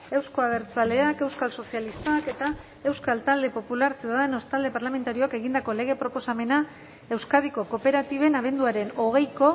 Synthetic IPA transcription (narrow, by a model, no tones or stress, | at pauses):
e̞wsko̞aβ̞e̞ɾt͡sale̞ake̞wskalso̞sialist̪ake̞t̪a | e̞wskalt̪ald̪e̞po̞pulaɾsewaðeno̞st̪ald̪e̞paɾlame̞nt̪aɾio̞ake̞ɣind̪ako̞le̞ɣ̞e̞pɾo̞po̞same̞na | e̞wskaðiko̞ko̞pe̞ɾat̪iβ̞e̞naβ̞e̞nd̪uaɾe̞no̞ɣ̞e̞jko̞